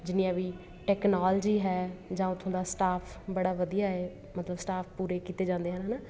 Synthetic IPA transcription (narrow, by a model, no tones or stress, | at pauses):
d͡ʒɪnĩãːʋiː | ʈɛːknaːld͡ʒiːɦɛːd͡ʒãːʊt̪ʰːõːd̪aːsʈaːpʰ | bəɽaːʋəd̪ijaːeː | mət̪ləbsʈaːpʰpuːɾeːkiːt̪eːd͡ʒãːnd̪eːɦənɦanaː